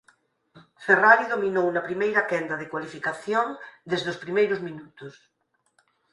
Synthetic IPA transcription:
feraɾiðominownɐpɾimejɾɐkɛnd̪ɐðekwalifikaθjoŋd̪ezðospɾimejɾʊzmĩnut̪ʊs

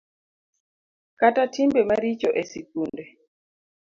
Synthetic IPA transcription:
katatʰimbɛmaɾit͡ʃɔʔɛsikundɛ

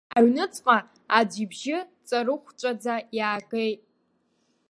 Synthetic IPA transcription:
aɥnɨt͡sʼqʼa | ad͡ʒibʒɪt͡sʼaɾɨχʷt͡ʃʷʼad͡zajaːkʼejtʼ

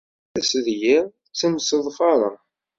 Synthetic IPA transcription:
æsəðjæ | t͡sːəmsəðˤfɑɾˤɑ̰

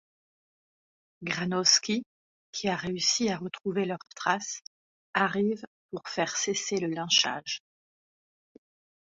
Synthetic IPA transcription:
ɡʁanɔskʲi | kʲʰiaʁeysiaʁət̪χuvelœʁt̪χas | aʁivpuʁfɛʁseseləlɑ̃ʃa̰ʒ

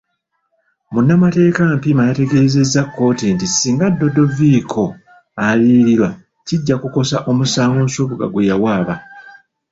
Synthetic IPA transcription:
munːamate̞ːkampimajate̞ɡe̞ze̞zːakːo̞ːtintisiːŋɡadːo̞do̞viːkʰo̞ | aliːɾiɾwa | ciɟːakuko̞saʔo̞musaːŋɡonsoβuɡa̰ɡwejawaːβa

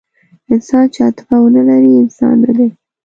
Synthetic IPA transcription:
ɪnsɑnt͡ʃat̪ɪ̥fawənəlaɾiɪnsɑ̰nːad̪e

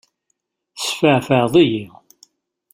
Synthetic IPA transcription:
sfəʕfəʕðˤiji

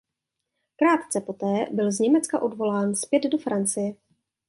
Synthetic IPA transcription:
kɾaːt̪t͡sɛpo̞t̪ɛːbɪlzɲɛmɛt͡skaʔo̞dvo̞laːnspjɛd̪do̞fɾant͡sɪjɛ

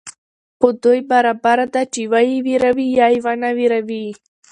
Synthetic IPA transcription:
xod̪ojbaɾabaɾad̪at͡ʃiwajiwiɾawijɑjwanawiɾawi

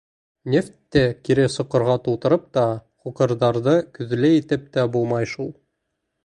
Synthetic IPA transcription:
nʲeft̪ːækiɾɘsŏqɤ̆ɾʁɑt̪ulˠt̪ɤ̆ɾɤp̚t̪ɑχuqɤ̆ɾðɑɾðɤkɵ̆ðɘ̆læjit̪ɘp̚t̪æbulˠmɑjʃulˠ

